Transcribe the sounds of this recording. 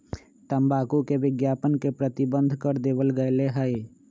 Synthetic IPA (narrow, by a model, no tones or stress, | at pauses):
t̪əmbaːkukeʋɪɡjaːpənkepɾət̪ɪbə̃nd̪ʱkəɾd̪eːʋəlɡəeleɦəe